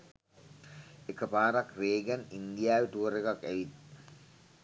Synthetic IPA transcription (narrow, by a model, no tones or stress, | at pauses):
ekəpaːɾakreːɡænind̪ijaːʋiʈuʋəɾekakːæʋit̪